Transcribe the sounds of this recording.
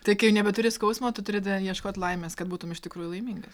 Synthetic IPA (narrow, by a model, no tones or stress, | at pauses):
t̪ɐɪkɐɪʊnʲɛbʲɛt̪ʊɾʲɪskɐʊsmoːt̪ʊt̪ʊɾʲɪd̪jiɛʃkoːt̪ʲlˠɐɪmʲeːskɐt̪̚buːt̪ʊmɪʃtʲɪkɾuːjulˠɐɪmʲiːŋɡɐs